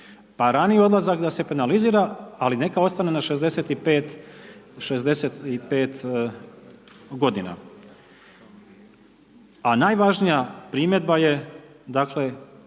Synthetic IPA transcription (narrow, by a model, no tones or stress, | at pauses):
paɾanijeo̞d̪lˠazakd̪ase̞penaliziːɾaaline̞kao̞st̪anenaʃe̞zd̪e̞se̞t̪ipeːt̪ | ʃezd̪e̞set̪ipe̞ːt̪ | ɡo̞d̪ina̰ | anaːjʋaʒnijapɾimje̞d̪̚baje̞ | d̪aːkle̞